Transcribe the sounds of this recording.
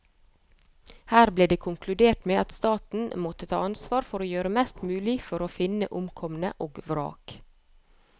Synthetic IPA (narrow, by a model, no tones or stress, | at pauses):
hæːɾbleːd̪eːkʰʊŋkʰlʉd̪eːʈmeːʔɑt̪st̪ɑːt̪n̩mɔt̪ət̪ʰɑ̰ːɑnsʋɑːɾfɔɾoːjøːɾəmɛst̪mʉːlɪfɔɾoːfɪnə̰ʔʊmkʰɔmənə̰ʔoːɡʋɾɑ̰ːk